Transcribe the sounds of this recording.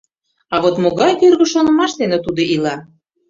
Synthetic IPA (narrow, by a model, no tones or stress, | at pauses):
ɑβot̪moɣɑjkørɣə̆ʃonɤ̆mɑʃt̪enĕt̪ud̪oʔilɑ